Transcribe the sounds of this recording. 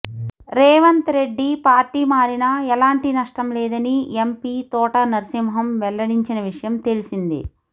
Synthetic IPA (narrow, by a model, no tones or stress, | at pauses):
ɾɛːʋɐnt̪ɾe̞ɖːipaːɾʈiːmaːɾinɐɛlaːɳʈinɐʂʈɐmlɛːd̪ɐniempiːt̪ɔːʈɐnɐɾsimɦɐmʋɛɭːɐɽiɲt͡ʃinɐʋiʂɐjɐmt̪e̞lisind̪ḭ